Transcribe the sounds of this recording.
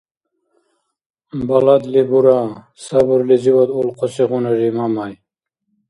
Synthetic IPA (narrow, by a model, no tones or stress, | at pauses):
balad̪libuɾa | sabuɾliziwad̪ulqʰɔsiɣunaɾimamaj